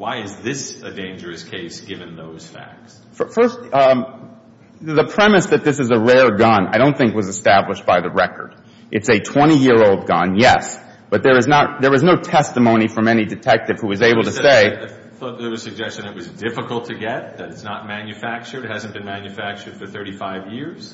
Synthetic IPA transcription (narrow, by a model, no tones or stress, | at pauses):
waɪɨzðɪsɨdẽɪ̃nd͡ʒə˞ɨskʰeɪsɡ̥ɪvɨ̃nðoʊz̥fæ̰k̚ts | ffɜ˞st | ðəpʰɹ̥ɛmɨsðɨt̪̚ðɪsɨzəɹɛɹɡʌ̃na̰ɪɾõʊ̃nθɪ̃ŋkk̚wʌzɨstæbləʃb̥aɪðɨɹɛkə̰˞ɾ | ʔɨtsɨtʰw̥ɛ̃ɾ̃ijɪɹoʊlˠd̚ɡʌ̃njɛs | b̥ʌt̪̚ðə˞ɨznət̪̚ðə˞ɨznoʊtʰɛstəmõʊ̃ñifʌ̃mɛñidɨtʰɛk̚tɨv̥huwʌzeɪbl̩ˠtʰɨseɪ | ðə˞zɨsɨɡ̚d͡ʒɛst͡ʃɨ̃nɨt̚wʌzdɪfəkl̩ˠtʰɨɡɛt̪̚ðɨɾɨtsnət̚mæ̃njɨfæk̚t͡ʃə˞d̚hæzn̩b̥ɨ̃nmæ̃njɨfæk̚t͡ʃə˞d̥fə˞θɜ˞ɾifaɪvjɪɹz̥